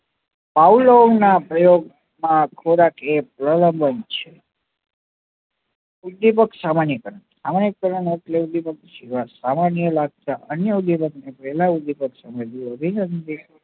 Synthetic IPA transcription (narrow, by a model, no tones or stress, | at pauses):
paulonapɾəjoɡ̚ | mãkʰoɾakepɾələmbənt͡ʃʰe | ud̪ipəksamanjəkəɾənsamanjək̚ːəɾəneʈleud̪ipək̚ʃiʋasamanjəlaɡ̚t̪aʔənjəud̪ipəknepəɦɛlaud̪ipəksəməjd̪iəbʱinənd̪i